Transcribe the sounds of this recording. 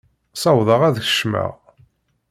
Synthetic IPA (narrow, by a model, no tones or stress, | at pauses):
sɑwðˤəʁæðçə̥ʃmə̰ʁ